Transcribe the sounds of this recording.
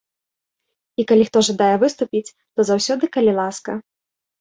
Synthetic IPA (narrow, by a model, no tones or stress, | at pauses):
ikalʲixt̪ɔʐad̪ajɛvɨst̪upʲit͡sʲ | t̪ɔzawsʲɔd̪ɨkɐlʲilˠaskɐ